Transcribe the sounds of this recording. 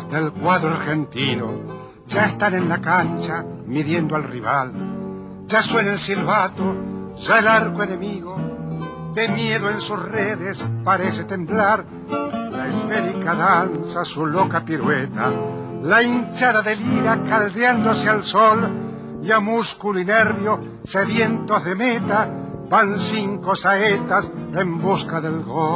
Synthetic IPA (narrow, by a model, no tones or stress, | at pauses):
d̪̥elkwaðɾoaɾxe̞nt̪ino̰ | ʒaest̪anenlakant͡ʃamiðje̞nd̪oalriβal | ʒaswe̞nelsilβat̪o | ʒaelaɾkoene̞miɣo | d̪emje̞ðoe̞nsusreðespaɾe̞set̪e̞mblaɾ | laest̪eɾikaðansasulo̞kapiɾwet̪a | laint͡ʃaðaðeliɾakald̪eand̪o̞sealsol | jamuskulineɾβjo | seβje̞nt̪o̞zðe̞met̪a | bansiŋko̞saet̪asembuskaðe̞lɣo